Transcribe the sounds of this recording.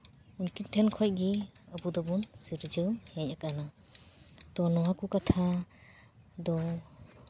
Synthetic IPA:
unkintʰɛnkʰɔj̚ɡiabud̪ɔbunsiɾd͡ʒɯwhɛɲakana | t̪ɔnɔwakukat̪ʰa | d̪ɔ

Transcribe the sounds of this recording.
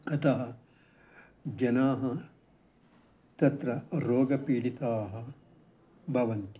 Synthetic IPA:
ɐt̪ʰɐɦɐ | d͡ʒɐnaːɦɐ | t̪ɐt̪ɾɐɾoːɡɐpiːɽit̪aːɦɐ | bʱɐʋɐnt̪i̥

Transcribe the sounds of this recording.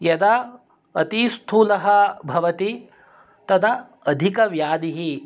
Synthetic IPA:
jɐd̪ɐ | ɐt̪ist̪ʰuːlɐɦɐbʱɐʋɐt̪i | t̪ɐd̪ɐː | d̪ʱikɐʋjaːd̪iɦi

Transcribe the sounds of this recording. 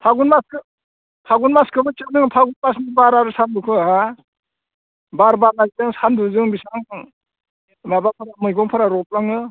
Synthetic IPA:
pʰaɡunmaskɯ | pʰaɡunmaskʰɯbɯt͡ʃɯnɯŋpʰaɡunmasnibaɾaɾɯsamdukʰɯɦa | baɾbaɾnazitɯŋsanduzɯŋbisaŋ | mabapʰaɾamɯjɡɔŋpʰɯɾaɾɔp̚laŋɯ

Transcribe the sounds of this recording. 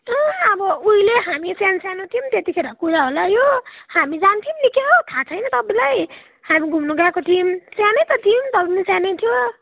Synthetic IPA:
ʌʌbʌuileɦamisjansjanoʈimt̪et̪ikʰeɾʌkuɾaɦolajohamid͡zant̪ʰimlikʰeɦot̪ʰat͡sʰʌjnʌt̪ʌbilaj | hamiɡʱumnuɡakoʈimsjanejt̪ʌʈʰimd̪ʌlnisjanet̪ʰijo

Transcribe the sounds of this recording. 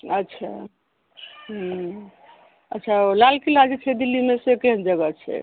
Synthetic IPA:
ətːʃʰa̰ | ɦ | ətːʃʰaolalkilad͡ʒet͡ʃʰɛd̪ilːimesekeɦənd͡ʒəɡət͡ʃʰɛ̰

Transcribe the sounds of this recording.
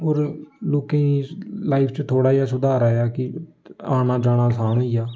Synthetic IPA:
oːɾloːkẽlaːipʰt͡ʃt̪ʰoːɽaːiaːsʊd̪aːɾaːeaːkɪ | aːnaːd͡ʒaːɽ̃aːsaːñõːiːaː

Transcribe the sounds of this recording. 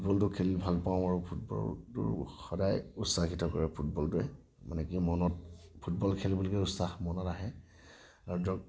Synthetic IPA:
bɔltʊkʰɛlibʱalpaʊ̃aɹupʰut̚bɔ̰tʊ̰ɹxɔdajusaxitɔkɔɹɛpʰut̚bɔltʊɛ | ma̰nɛkimɔnɔt̚pʰutbɔlkʰɛlbulɔkɛusaxmɔnɔtaɦɛ | aɹudɔk

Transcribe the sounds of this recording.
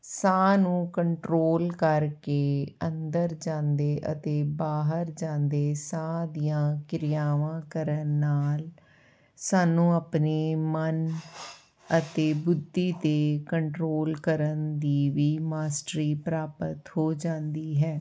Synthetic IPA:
sãːnũːkəɳʈɾoːlkəɾkeːənd̪əɾd͡ʒãːnd̪eːʔə̰t̪eːbaːɦəɾd͡ʒãːnd̪eːsãːd̪ijãːkɪɾɪjaːʋãːkəɾənːaːl | saːnũːapneːmən | ət̪eːbʊd̪ːiːt̪eːkəɳʈɾoːlkəɾənd̪iːʋiːmaːsʈɾiːpɾaːpət̪hoːd͡ʒãːnd̪iːɦɛː

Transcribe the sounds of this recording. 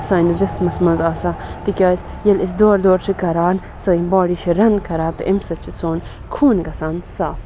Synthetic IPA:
saːnɐzd͡ʒɐsmɐsmɐzaːsaːt̪ikʲaːsʲ | jɐlisd̪oːɾd̪oːɾt͡ʃʰikɐɾaːn | sɐːimbaːɽiʃiɾɐnkʰɐɾaːt̪ɨ̰ʔimsɐt͡ʃʰit͡soːn | kʰuːnɡɐsaːnsaːf

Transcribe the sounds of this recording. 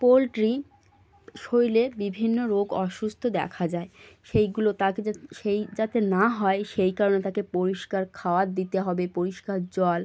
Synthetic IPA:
polʈɾi | ʃojlebibʱinːoɾoɡɔʃust̪ʰod̪ɛ̰kʰad͡ʑaeʃejɡulot̪akeʃejd͡ʑat̪enaɦɔeʃejkaɾonet̪akepoɾiʃkaɾkʰaoat̪̚d̪it̪eɦɔbepoɾiʃkaɾd͡ʑɔl

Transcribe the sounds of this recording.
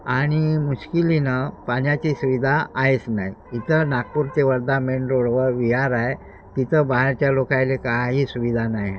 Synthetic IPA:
aɽ̃imuɕkilinəpanjat͡ɕisuʋid̪ʱaʔaɦet͡sna̰ɦjit̪ənakpuːɾt̪eʋəɾd̪ameɳɾoɽʋəʋiɦaɾae | t̪it̪əbaɦaɾt͡ɕjalokajlekaɦiːsuʋid̪ʱanaje

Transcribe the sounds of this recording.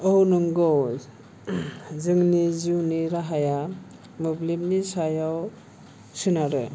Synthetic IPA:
ownuŋɡɔw | zɯŋnizuwniɾaɦaja | mɯblim̚nisajaw | sɯnaɾɯ

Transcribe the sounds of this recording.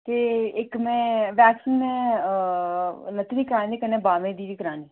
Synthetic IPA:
t̪eːɪkmɛ̃ːʋɛːksiːnmɛ̃ː | lət̪ːniːkəɾãːnd̪eːkənẽːbaːʋẽːd̪iːɾiːkəɾaːniː

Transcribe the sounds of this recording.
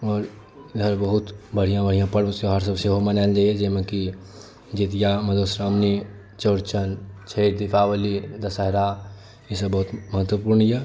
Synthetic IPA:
ɔːɾ | d̪ʱəɾbəɦut̪bəɽ̤ijãbəɽ̤ijãpəɽəseɦəɾs̬əbseɦomənald͡ʒaied͡ʒemeki | d͡ʒit̪ijaməd̪ʱosɾamni | t͡ʃəɾt͡ʃənt͡ʃʰeɪɾd̪ipʰawəlid̪ɐsəɦɾa | jisəbːəɦut̪məɦət̪wəpuːɾnjɛ

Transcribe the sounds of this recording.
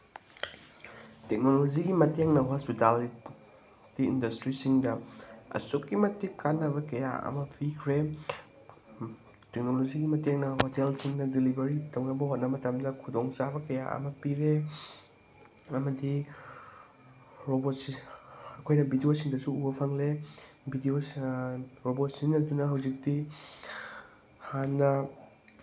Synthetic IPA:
tek̚noloziɡimɐteŋnɐɦɔspitali | d̥iḭndɐstɾisiŋdɐɐ̰sokːimɐtikanːɐβɐkɐja̰ɐ̰mɐpʰikʰɾe | tek̚noloziɡimɐteŋnɐhotelsiŋnɐdilibɐɾitɐwnɐbɐɦot̚nɐmɐtɐmdɐkʰudoŋt͡ʃabɐkɐja̰ʔɐ̰mɐpiɾe | ɐmɐdi | ɾobot̚sɐkʰojnɐbidiosiŋdɐsuubɐpʰɐŋle | bʱidios | ɾobot̚sinːɐdunɐɦawzik̚di | hanːɐ

